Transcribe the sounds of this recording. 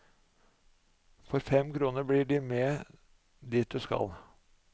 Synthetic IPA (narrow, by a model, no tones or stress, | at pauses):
fɔɾfɛmkʰɾuːnəɾbɽiːɖɪmeː | d̪iːt̪̚d̪ʉːskɑ̰l